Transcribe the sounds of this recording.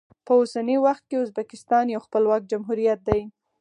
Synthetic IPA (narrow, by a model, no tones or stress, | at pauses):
pəosanewaxt̪̚keʊzbakɪst̪ɑnjawxpəlwɑk̚d͡ʒamɦuɾijat̪̚d̪aj